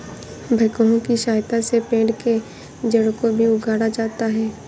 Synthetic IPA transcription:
bʱɐkoɦõkiʃaːjt̪asepẽːɖke | d͡ʒɐɽkobʱiʊɡʱaːɽad͡ʒaːt̪aɦɛː

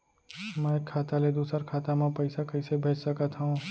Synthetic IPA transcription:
mɛ̃kʰːaːt̪aled̪uːsəɾkʰaːt̪amãpəɪsakəɪsebʱeːt͡ʃsəkət̪ɦũ

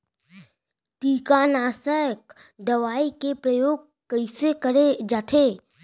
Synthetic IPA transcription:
ʈiːkaːnaːsəjək | d̪əʋaːikepɾəjoːɡ̚ | kəɪsekəɾed͡ʒaːt̪ʰeː

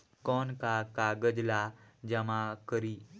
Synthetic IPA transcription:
kɔnkakaɡəd͡ʑlad͡ʑəmakəɾi

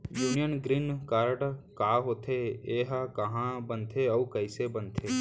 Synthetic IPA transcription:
juːnijənɡɾinkaːɾɖkaːɦoːt̪ʰeeːɦkɐɦãbənt̪ʰeɔːkɐisebənt̪ʰeː

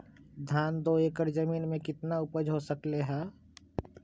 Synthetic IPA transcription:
d̪ʱjaːnd̪oeːkəɾd͡ʒəmiːnmẽkɪt̪naʊpəd͡ʒɦosəkleɦɛː

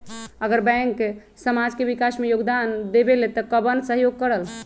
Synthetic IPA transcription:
əɡəɾbɛ̃ŋk | səmad͡ʒkebikasmejoɡd̪and̪ebelet̪ɔkəbənsəɦjoɡ̚kəɾəl

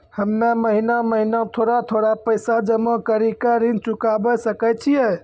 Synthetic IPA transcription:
həmnaməɦinaməɦinãt̪ʰoɾat̪ʰoɽapəjsad͡ʒəmõkəɾikaɾint͡ʃukabəsəkɛt͡ʃʰijɛ

